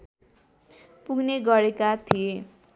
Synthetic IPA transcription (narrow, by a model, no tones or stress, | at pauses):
puɡneɡʌɾekat̪ʰie